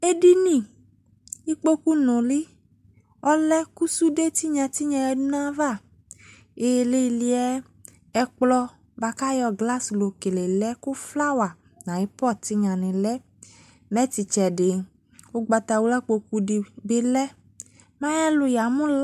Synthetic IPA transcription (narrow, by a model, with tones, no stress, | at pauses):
e˦di˦nĩ˦ | i˦k͡po˦ku˦nʊ̃˨li˦ | ɔ˦lɛ˦ku˦su˦de˦t̪i˦ɲã˧t̪i˦ɲã˧jɛ˧du˦nã˦va˦˨ | e˨le˦i˧li˧ɛ˦ | ɛ˧k͡plɔ˧ | ba˧ka˦jɔ˧ɡla˦slo˨ke˨le˨lɛ˦ku˦fla˦wa˨ | nã˨ji˦pɔ˦˨t̪i˦ɲã˨nɪ̃˨lɛ˦ | mɛ˦ti˨t͡ʃɛ˨ɖɪ˨ | wo˦ɡ͡ba˧t̪a˨wu˦la˦k͡po˧ku˦di˧be˦lɛ˦ | mã˦jɛ˦lʊ˧ja˨mũ˦l